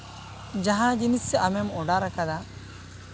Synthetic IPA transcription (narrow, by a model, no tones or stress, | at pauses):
d͡ʒaɦãd͡ʒinissɛʔamɛmɔɖaɾakad̪a